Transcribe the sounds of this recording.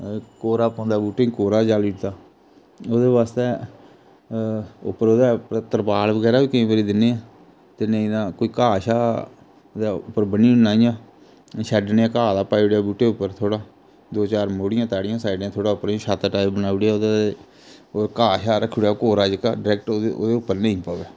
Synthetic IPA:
koːɾaːpõːnd̪aːbuːʈːeĩkoːɾaːd͡ʒaːliːʈt̪aː | oːd̪eːʋaːst̪eː | ʊ̰pːəɾoːd̪aːpːt̪əɾpaːlʋəɡɛːɾaːʋiːkəĩːbəɾiːd̪ɪnːeːãː | t̪enẽd̪ãːkoːiːkaːʃaː | d̪aʊpːəɾbəniːnaːijãː | ʃɛɖneãːkaːd̪aːpaːiɽjaːbuːʈeːʊpːəɾt̪ʰoːɽaː | d̪oːt͡ʃaːɾmoːɽɪjãːt̪aːɽɪjãːsaːɪɖjãːt̪ʰoːɽaːʊpːəɾʃaːt̪aːʈaːɪbbənaːuɽeaːoːd̪ae | kaːʃaːɾəkʰːʊɽaːkoːɾaːd͡ʒəka̰ːɖɾɛːk̚ʈ̪ːeo̰ːd̪eːʊpːəɾnə̃ĩːpaːʋɛː

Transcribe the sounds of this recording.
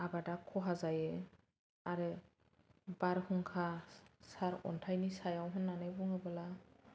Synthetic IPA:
abadakʰɔɦazajɛ | aɹɯ | baɹhuŋkʰasaɹɔ̰ntʰajnisajawɦɔnːanajbɔŋɛbala

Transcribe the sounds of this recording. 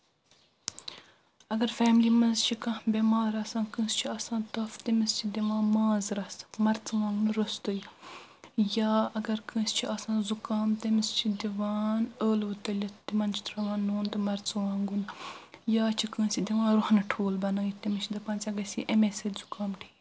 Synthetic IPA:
ɐɡɐɾfɛːmlimɐnzt͡ʃʰikɐ̃bʲemaːɾɐsãːkə̃ːst͡ʃʰiɐsãːt̪ɐft̪emist͡ʃʰid̪ʲiʋãːmaːzɾɐsmɐɾt͡sɨʋãːŋɡunɾost̪əj | jaːɐɡɐɾkə̃ːst͡ʃʰiɐsãːzukaːmt̪ɐmist͡ʃʰid̪iʋaːnəːlʋɨt̪ɐlʲɐt̪imɐnt͡ʃʰi̥t̪ɾɐʋãːnːoːnt̪ɨmɐɾt͡sʋãːŋɡunjaːt͡ʃʰikə̃ːsid̪iʋãːɾʊhnɐʈʰoːlbɐnaːjit̪ɐmist͡ʃʰid̪ɐpɐ̃nt͡sʲɐɡɐsiʔɐmesɐt̪zukaːmʈʰiː

